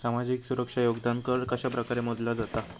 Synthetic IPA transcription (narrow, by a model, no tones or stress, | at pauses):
samad͡ziksuɾəkʂajoɡd̪ankəɾkəɕapɾəkaɾemod̪lad͡zat̪a